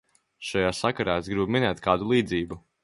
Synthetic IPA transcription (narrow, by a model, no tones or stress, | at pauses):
ʃajaːsakaɾaːesɡɾibuminɛːt̪kaːd̪ulˠiːd̪ziːbu